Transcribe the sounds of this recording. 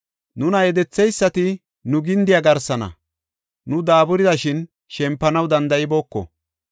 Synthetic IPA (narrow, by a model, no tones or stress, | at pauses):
nʊnɐjɛd̪ɛt͡sːɛjsːɐt̪ɪ | nʊɡɪnd̪ɪjɐɡɐɾsɐnɐ̰ | nʊd̪aːbʊɾɪd̪ɐʃɪn | ʃɛmpːɐnɐwd̪ɐnd̪ɐjɪboːkːɔ̰